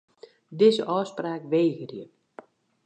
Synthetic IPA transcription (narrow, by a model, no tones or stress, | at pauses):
dɪzə̰ʔɔːspraːkʋeːɣərjə